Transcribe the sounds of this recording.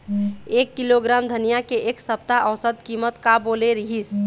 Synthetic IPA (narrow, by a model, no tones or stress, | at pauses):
ekːiloɡɾamd̪ʱənijakeʔeksəp̚t̪aʔəwsəd̪kimət̪kaboleɾiɦis